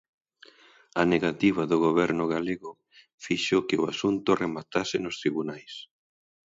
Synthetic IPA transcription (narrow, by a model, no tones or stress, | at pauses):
aneɣat̪iβ̞aðʊɣoβɛɾnʊɣaleɣʊ | fiʃokɪʊasunt̪ʊremat̪asɪnʊst̪ɾiβunajs